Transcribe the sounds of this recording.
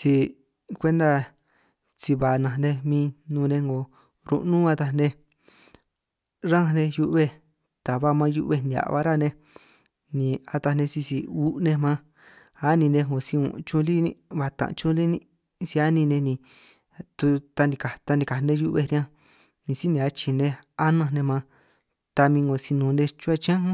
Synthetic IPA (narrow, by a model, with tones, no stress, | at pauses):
si˧ | kʷe˦nd̪a˧ | t͡si˧βa˨nã˧˨˧nẽ˧mĩː˧nũː˧nẽ˧ŋɡo˨ | ɾṵ̃˧ʔnũ˦a˧t̪a˧nẽ˧ | ɾã˦˧nẽ˧ju˧ʔβe˧ | t̪a˨βa˦mã˧˦˧ju˧ʔβe˧nd̪i˨a̰˨ʔβa̰˦ɾa˦˧nẽ˧ | nĩ˧˨a˧t̪a˧nẽ˧si˧si˧u˦ʔnẽ˧mã˦ | a˦nĩ˧nẽ˧ŋõ˨si˧ṵ̃˨ʔt͡ʃũ˧li˦nĩ˧βa˧˨t̪ã̰˨ʔt͡ʃũ˧li˦nĩ˧ | si˧a˦nĩ˧nẽ˧nĩ˧ | t̪u˧t̪a˧nĩ˧ka˨t̪a˧nĩ˧ka˨˧nẽ˧ju˧ʔβe˧ɾi˧ã˧ | nĩ˨˧si˦nẽ˧a˧t͡ʃi˧nẽ˧a˦nã˧nẽ˧mã˧ | t̪a˧mĩ˧ŋɡo˨si˧nũ˨˧nẽ˧t͡ʃu˦a˧t͡ʃã˦